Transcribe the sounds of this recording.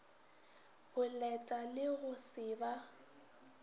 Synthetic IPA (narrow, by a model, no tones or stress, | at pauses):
ɣʊlɛtʼalɪɣʊsɪːba